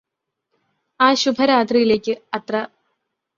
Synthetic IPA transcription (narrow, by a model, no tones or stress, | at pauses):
aːɕubʱɐɾaːt̪̬rijile̞ːkʲːɨɐt̪rɐ